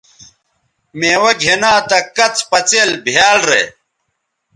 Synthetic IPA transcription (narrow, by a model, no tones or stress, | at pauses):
meːwɐɡʱenaːt̪ɐkɐt͡sʰpɐt͡seːlbʱjaːlɾḛ